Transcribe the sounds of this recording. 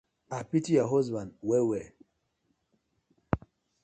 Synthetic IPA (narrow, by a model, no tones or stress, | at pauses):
apitijaɦɔzbandwɛwɛ